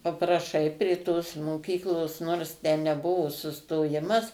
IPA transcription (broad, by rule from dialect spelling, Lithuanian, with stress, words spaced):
pɐprɐˈʃɐɪ pʲrʲeː toːs moːˈkʲiːklˠoːs noːrs tʲæː nʲɛˈbʊʋoː sʊstoːˈjɪmɐs